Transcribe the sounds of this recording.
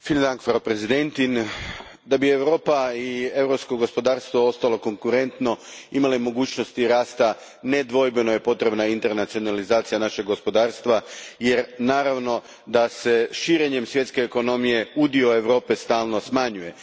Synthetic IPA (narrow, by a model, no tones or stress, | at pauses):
fild̪aŋkfɾaopɾezid̪e̞nt̪in | d̪abieʋɾo̞ːpaie̞ʋɾopsko̞ɡo̞spo̞d̪aːɾst̪ʋo̞o̞st̪alo̞ko̞ŋkuɾe̞nt̪no̞imalemo̞ɡuːt͡ɕno̞st̪iɾaːst̪a | ne̞d̪ʋo̞jbeno̞je̞po̞t̪ɾe̞bnaint̪e̞ɾnat̪sio̞nalizaːt̪sijanaʃe̞ɡo̞spo̞d̪aːɾst̪ʋaje̞ɾnaːɾaʋno̞ | d̪ase̞ʃiːɾe̞ɲe̞msʋjet̪ske̞ːko̞no̞mije̞ud̪io̞e̞ʋɾo̞ːpe̞st̪aːlno̞smaɲuje̞